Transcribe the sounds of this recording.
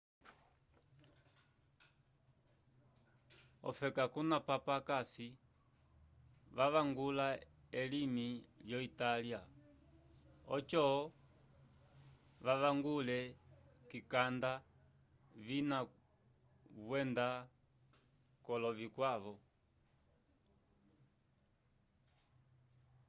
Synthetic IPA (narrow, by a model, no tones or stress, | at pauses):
ɔ̰fɛkakunapapakasi | ʋaʋaŋɡula | ɛlimiljɔitalia | ɔt͡ʃɔɔ | ʋaʋaŋɡulɛkikanda | vina | βwɛnda | kɔlɔvikwaβɔ